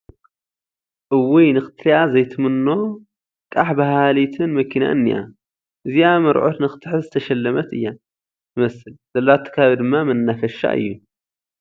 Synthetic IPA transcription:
ʔɨwijnɨxɨ̥t̪ʰħiʔazɐjt̪ʰɨmɨnːo̞ | kʼaħbɐɦalit̪ʰɨnmɐkʰina̰ʔɨnːijʔa̰ | ʔɨziamɐɾʕot̪nɨxɨ̥t̪ʰħɨzɨt̪ʰɐʃɐlːɐmɐt̪ɨjːa | jɨmɐsɨlz̥ɐlːat̪ʰːɐ̥kʰaβid̪ɨmːamɐnːafɐʃa̰ʔɨ̰jːu

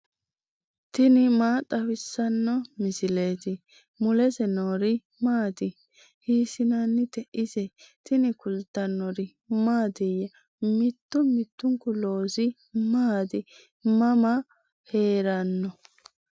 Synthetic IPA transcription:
t̪ɪnɪmaːt̪ʼɐwɪsːɐnːɔmɪsɪle̞ːt̪ɪ | mʊlɛsɛnoːɾɪ | maːd̪ɪ | hiːsɪnanːɪt̪ɛʔɪzɛt̪ɪnɪkʊlt̪ːɐnːɔɾɪ | maːd̪ɪjɐ | mɪt̪ːʊmɪt̪ːʊŋkʊlo̞ːsɪ | maːd̪ɪ | mɐmɐ | he̞ːɾɐnːɔ

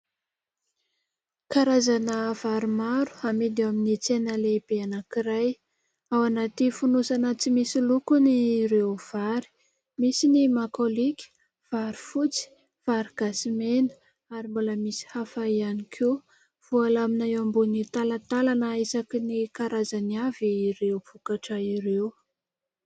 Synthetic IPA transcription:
kaɾazanəv̥aɾimaɾu̥amid̪eaminit͡senəleb̥eanakiɾaj | awanat̪ifunusanət͡simisilukuniɾeov̥aɾi̥ | misinimakolikʲi̥ | v̥aɾifut͡si̥ | v̥aɾiɡ̥asimenə̥ | aɾimbuləmisi̥hafaianikʰe | v̥ualaminaambunit̪alat̪alanaisakinikaɾazaniaviːɾewvukaʈ͡ʂəiɾew

